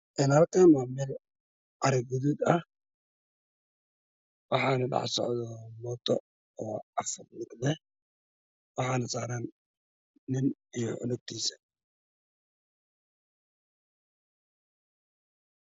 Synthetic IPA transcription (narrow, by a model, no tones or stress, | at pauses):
ʔɪnhalkʰaːnwamɛːl | ʔɑɾɛɡuðud̪ɐh | wɑħɑːnɐɖɑ̰ħsɔ̰ʕðɔmɔt̪ʰɔ | ɔːɑfʊrlɪɡlɛ | wɑħɑːnɐsaːɾaːnː | ɪnijɔʕʊ̰lʊɡ̚t̪ʰiːsɐ̥